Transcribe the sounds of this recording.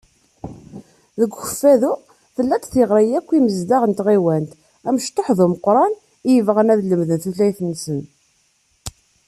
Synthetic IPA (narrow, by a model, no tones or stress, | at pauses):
ðəɡʷxəfːæðʊ | θəlːæt͡s̪θiʁɾˤijækʷːiməzd̪aʁənt̪ʁiwænt̪ | æməʃt̪ˤːoħðuməqːɾˤɑn | ijəvʁənæðləmðənθuθlæjθənːsən